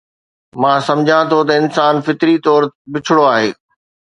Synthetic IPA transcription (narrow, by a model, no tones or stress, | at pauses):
mãːsɐ̃md͡ʑʱãt̪ʰot̪ɐɪnsaːnfɪt̪ɾit̪ɔːɾbɪt͡ɕʰɽoaːɦeː